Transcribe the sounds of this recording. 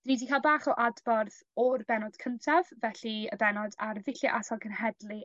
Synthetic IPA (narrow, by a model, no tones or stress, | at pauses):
d̥riːdikʰaːlˠbaːχɔʔadbɔrθ | ɔrbɛnɔd̥kʰəntʰavːɛɬiəbɛnɔdarvɪɬjɔʔatʰalˠkʰənhɛdlˠi